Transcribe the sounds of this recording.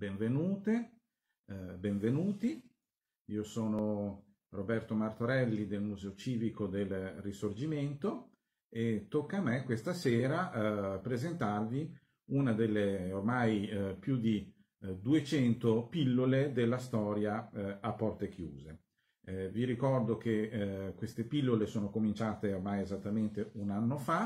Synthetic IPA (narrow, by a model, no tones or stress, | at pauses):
beɱvenuːt̪e | beɱvenuːt̪i | iːosoːno | robɛrt̪omart̪oɾɛlːid̪elmuzɛːot͡ʃiːvikod̪elrisord͡ʒiment̪o | et̪ːokːamekwest̪aseːɾapɾezent̪arvi | unad̪elːeormajpjud̪i | d̪uet͡ʃɛnt̪opilːoled̪elːast̪ɔːɾjaapːɔrt̪ek̟juːze | viɾikɔrd̪okekwest̪epilːolesoːnokomint͡ʃaːt̪eormajezat̪ːament̪eunanːofa